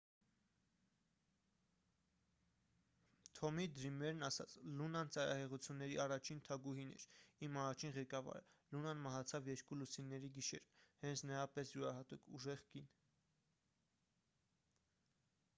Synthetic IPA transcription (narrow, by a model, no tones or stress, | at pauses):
t̪ʰɔmid̪ɾimɛɾnɑsɑ̰t͡sʰlunɑnt͡sɑɾɑ̰hɛʁut͡sʰjunːɛɾiɑrɑt͡ʃʰint̪ʰɑɡuhinɛ̰ɾimɑrɑt͡ʃʰinʁɛkɑvɑ̰ɾə̰lunɑnmɑɦɑt͡sʰɑvjɛɾkulusinːɛɾiɡiʃɛɾhɛnt͡sʰnəɾɑpɛsjuɾɑɦɑt̪ukʰuʒɛʁɡin